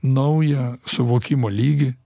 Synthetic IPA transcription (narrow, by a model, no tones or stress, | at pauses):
nɐʊjɛsʊʋoːkʲɪmoːlʲiːɡʲɪ